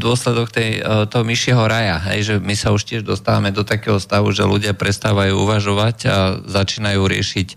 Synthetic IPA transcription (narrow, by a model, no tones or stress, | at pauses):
d̪ʊɔslɛd̪ɔk̚t̪ɛjt̪ɔɦɔmiʃɪɛɦɔɾajaɦɛ̰jʒɛmisauʃcɪɛʒd̪ɔst̪aːʋamɛd̪ɔt̪akɛːɦɔst̪aʋuʒɛ̰luɟɪapɾɛst̪aːʋajuːuʋaʒɔʋaca̰zat͡ʃiːnajuːɾɪɛ̰ʃic